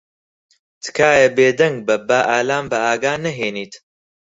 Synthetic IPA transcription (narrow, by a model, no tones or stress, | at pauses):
t̪ʰɨ̥kaːjɐbeːd̪ɐŋɡ̚bɐbaːʔaːlaːmbɐaːɡaːnɐɦeːniːt̪